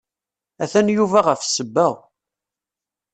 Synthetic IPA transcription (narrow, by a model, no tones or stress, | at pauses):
æθænjuvæʁəfsəbːæw